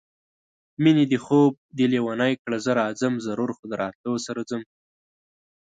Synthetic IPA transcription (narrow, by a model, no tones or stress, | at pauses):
minid̪əxob̚d̪ilewanajkɽazəɾɑd͡zəmzaɾuɾxʊd̪ɾɑt̪osaɾad͡zəm